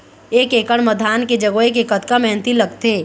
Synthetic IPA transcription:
eːkeːkəɽməd̪ʱaːnked͡ʒɐɡoek̬ekət̪kamɛɦnt̪ilɐɡt̪eː

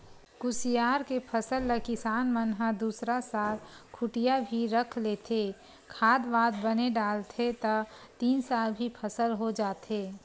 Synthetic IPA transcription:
ɡʊsijaːɾkepʰəsəlːəkɪsaːnmənɦad̪uːsɾasaːlkʰʊʈijabʱiɾɐkʰleːt̪ʰeː | kʰaːd̪baːd̪bəneɖaːlt̪ʰet̪ɐ | t̪iːnsaːlbʱipʰəsəlɦod͡ʒaːt̪eː

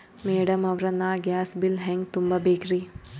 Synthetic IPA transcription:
meːɽɐmɐʋɾɐnaːɡjaːsbilɦɛŋɡt̪umbɐbeːkɾi

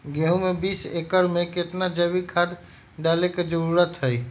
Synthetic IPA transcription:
ɡẽɦũmebisḛkəɾmẽket̪nad͡ʒəbikʰad̪ | ɖaleked͡ʒəɾuɾət̪ɦəj

